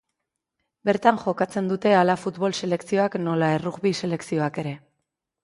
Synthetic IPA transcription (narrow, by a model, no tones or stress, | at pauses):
be̞ɾt̪aŋʝo̞kat͡se̞nd̪ut̪e̞alafut̪βo̞lse̞le̞ksio̞akno̞laeruɣβise̞le̞ksio̞ake̞ɾe̞